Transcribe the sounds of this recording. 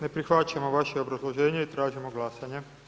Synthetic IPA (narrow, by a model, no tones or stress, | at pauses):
ne̞pɾixʋat͡ʃamoʋaʃeobɾazlˠoʒeːɲeit̪ɾaːʒimoɡlˠasaɲe